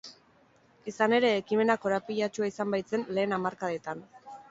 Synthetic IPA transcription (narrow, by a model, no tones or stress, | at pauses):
isane̞ɾe̞ːkime̞nako̞ɾapiʎat͡ʃuaisambajt͡se̞nle̞ːnamaɾkaðet̪an